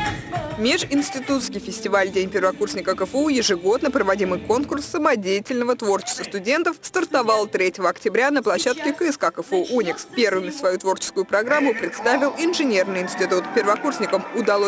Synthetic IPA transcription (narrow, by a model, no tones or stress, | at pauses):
mʲeʂɪnʲsʲtʲɪt̪ut̪skʲɪjfʲɪsʲtʲɪvalʲdʲenʲpʲɪrvɐkursʲnʲɪkəkəfəujɪʐɨɡo̞d̪nəpɾəvɐdʲimɨjko̞nkʊrsːəmɐdʲejɪtʲɪlʲnəvət̪vo̞rt͡ɕɪ̥st̪vəst̪ʊdʲe̞nt̪əfst̪ərt̪ɐvɑlˠt̪ɾʲetʲɪvəɐktʲɪbɾʲanəplˠɐɕːat̪kʲɪkəskakəfəuʔunʲɪkspʲe̞rvɨmʲɪsvɐjut̪vo̞rt͡ɕɪ̥skʊjʊpɾɐɡɾamːʊpɾʲɪt̪st̪avʲɪlˠɪnʐɨnʲe̞rnɨjɪnsʲtʲɪt̪ut̪pʲɪrvɐkursʲnʲɪkəmʊd̪ɐlˠo